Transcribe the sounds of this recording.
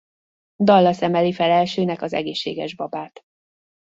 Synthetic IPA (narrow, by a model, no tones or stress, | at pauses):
d̪ɒlːɒsɛmɛlifɛlɛlʃøːnɛkɒzɛ̰ɡeːʃːeːɡɛʒbɒbaːt̪